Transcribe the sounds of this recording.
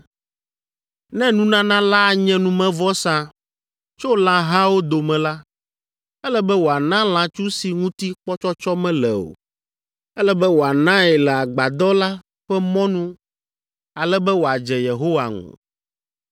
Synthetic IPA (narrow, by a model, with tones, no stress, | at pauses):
nɛ̃˦nũ˦nã˦nã˦la˦a˨ɲɛ̃˦nũ˦mɛ̃˦vɔ˦sã˦ | t͡ʃo˦lã˦ɦã˦wo˦d̪o˨mɛ̃˨la˦ | ɛ˦lɛ˦bɛ˦wo˨a˨nã˦l̃ã˨t͡ʃu˦si˨ŋũ˦t̪i˦k͡pɔ˦t͡ʃɔ˦t͡ʃɔ˦mɛ̃˦lɛ˨o̰˨ | ɛ˦lɛ˦bɛ˦wo˨a˨nã˦ɛ˨lɛ˨a˨ɡ͡ba˨d̪ɔ˦la˦ | ɸɛ˦mɔ̃˦nũ˦ | a˨lɛ˦bɛ˦wo˨a˨d͡ʒɛ˨je˨ɦo˦wa̰˨ŋṵ̃˨